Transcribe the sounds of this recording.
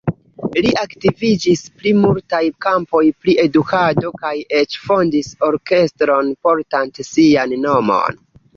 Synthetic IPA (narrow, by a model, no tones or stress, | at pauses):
liʔaktivid͡ʒispɾimultajkampo̞jpɾiʔe̞dukado̞kaje̞t͡ʃfo̞ndiso̞ɾke̞stɾo̞npo̞ɾtantesianːo̞mo̞̰n